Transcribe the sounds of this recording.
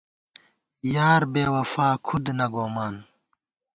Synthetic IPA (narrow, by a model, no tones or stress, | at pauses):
jaːɾbeːwɐfaːkʰud̪nɐɡoːmaːn